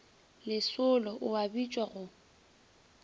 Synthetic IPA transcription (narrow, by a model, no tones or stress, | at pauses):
lɪsʊlɔʔʊabit͡ʃʼwaɣʊ